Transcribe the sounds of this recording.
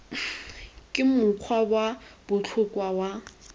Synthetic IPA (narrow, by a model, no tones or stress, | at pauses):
kʼɪmʊq͡χʰwabwab̥ʊt͡ɬʰʊkʼwawa